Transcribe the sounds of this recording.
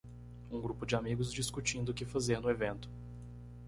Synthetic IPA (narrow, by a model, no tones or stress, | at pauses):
ũɡɾupʊd͡ʒɪamiɡʊzd͡ʒiskut͡ʃĩnd̪ʊʊkɪfazeɾnʊevẽnt̪ʊ̥